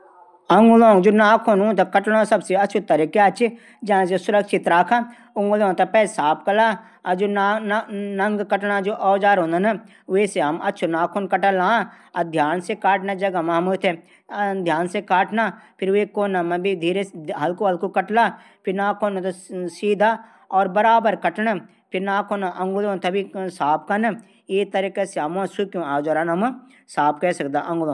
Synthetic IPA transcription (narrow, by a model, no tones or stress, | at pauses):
ɐŋɡulõːŋd͡ʒoːnaːkʰonũt̪ɐkɐʈlãːsɐbseɐtːt͡ʃʰut̪ːɐɾikeɐtːt͡ʃʰi | d͡ʒɐãs̬esʊɾɐkʃit̪ɾaːkʰã | ʊŋɡolõt̪ɐpɛːsaːp̚kɐlaː | ɐd͡ʒoːn | nɐŋɡkɐʈnãd͡ʒoːʔɔːd͡ʒaːɾɦõːnd̪ɐnɐ | ʋeːseɦɐmɐtːʃʰunaːkʰonkɐʈəlãː | ɐd̪ʱjaːnsekaːʈnad͡ʒɐɡamaɦmut̪ʰe | d̪ʱjaːnsekaːʈnapʰɪɾʋekoːnamɐ̃bid̪ʱiːɾeɦɐlkoɦɐlkokɐʈla | pʰɪɾnaːkʰoːnõt̪osiːd̪ʱa | ɔːɾbɐɾaːbəɾkɐʈna | pʰɪɾnaːkʰoːnaʔɐ̃ŋɡulõnt̪ɐbʱisaːp̚kan | eːt̪ɐɾikeseamãsukjũaːd͡ʒaːɾaːnɦɐm | saːpkɛsɐkd̪aʔɐ̃ŋɡʊlõ